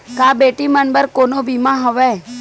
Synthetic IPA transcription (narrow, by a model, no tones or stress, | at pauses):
kaːbeːʈimənbəɾkonobimãɦəʋɛː